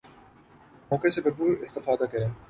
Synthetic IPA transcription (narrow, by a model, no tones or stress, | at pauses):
moːkesebebuːɾɪst̪ɪfɑːd̪ɐkɐɾe